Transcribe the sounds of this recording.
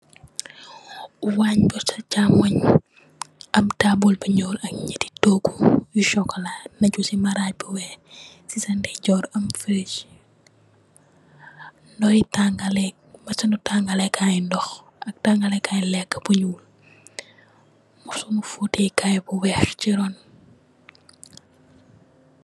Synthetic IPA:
waɲbusɐt͡ʃamɐɲ | ʔɐmtabulbəɲɔːlɐkɲəti̥tɔːɡujuʃɔkːɔlanɐɟusimɐɾaɟ̚buwɛx | sisɐndɛɟɔːɾɐmfiɾit͡ʃ | ndɔjitaŋɡalɛk̚mɐsɐnutaŋɡalɛkʰajndɔx | ʔɐk̚taŋɡɐlɛkʰajlɛkːə̥buɲuːl | musumufutɛkajbuwɛːxt͡ʃiɾɔn

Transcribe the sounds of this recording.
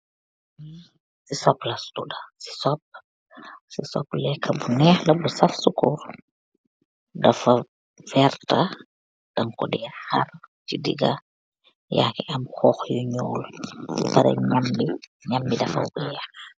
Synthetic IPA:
sisɔplɐstudasi̥sɔp̚ | sisɔ̰plɛkʰːɐbunɛːxlɐbusɐfsukur | dɐfɐ | fɛrta | d̥ɐŋkɔdiaxart͡ʃidḭɡa | ja̰kɛʔɐmxɔxjuɲɔːljṵpaɾɛ̰ɲambiɲambidɐfɐ̰wbujɛx

